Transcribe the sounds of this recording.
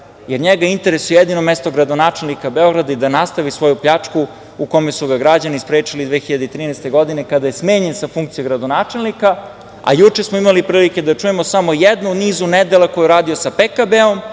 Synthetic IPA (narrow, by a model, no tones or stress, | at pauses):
jeɾɲeɡaint̪e̞ɾesujejed̪ino̞mest̪oɡɾad̪o̞naːt͡ʂelˠnikabeo̞ɡɾad̪aid̪anast̪aʋisʋo̞jupʎat͡ʂku | uko̞mesuɡaɡɾad͡ʑanispɾeːt͡ʂilid̪ʋe̞ːxiʎad̪eit̪ɾiːnɛst̪e̞ɡo̞d̪ine̞kad̪ajesmeːɲe̞nsafuŋk̚t̪sijoɡɾad̪o̞naːt͡ʂelˠnika | a̰jut͡ʃesmoimalipɾiːlike̞d̪at͡ʂujemosamo̞jed̪nuniːzuned̪elakojɛɾaːd̪io̞sapekabeo̞m